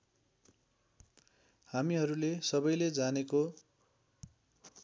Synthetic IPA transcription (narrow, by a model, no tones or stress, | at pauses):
hamiɦʌɾulesʌbʌjled͡zaneko